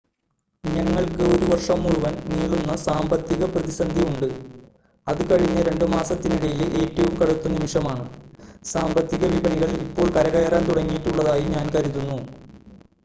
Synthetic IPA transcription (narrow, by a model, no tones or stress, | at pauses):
ɲɐŋːɐɭkoɾuʋɐrʂɐmːuɻuʋɐnniːɭunːɐsaːmbɐt̪ːiɣɐprɐðisɐnd̪ʱiuɳɖɨ | ɐðɨkɐɻiɲːɐɾe̞ɳɖɨmaːsɐt̪ːiniɽɐjileʔeːtːɐʋumkɐɽut̪ːunːɐmiʂɐmaːɳɨsaːmbɐt̪ːiɣɐʋibɐɳiɣɐɭiipːoːɭkɐɾɐɣɐjɐraːnt̪uɽɐŋːijitːuɭːɐðaːjiɲaːnkɐɾuðːunːu